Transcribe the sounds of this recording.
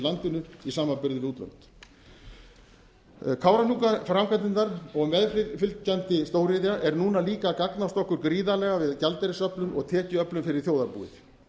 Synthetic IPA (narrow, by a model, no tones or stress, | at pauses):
lant̪ɪnʏisaːmapɪɾðɪɾuːt̪la̰nt̪ | kʰaːwɾanukafɾamkʰat̪ɪnt̪aɾɔɣmɛðfɪlt̪cant̪ɪst̪oːwɾɪðjaʔɛɾnuːnaliːkakaknawst̪ɔhkːʏɾkɾiːðalɛɣavɪðcalt̪ɛɾɪsœplʏnʔɔ̰ɣt̪ʰɛːcɪœplʏmfɪɾɪɾ̥θjoːwðaɾpṵːɪ̰θ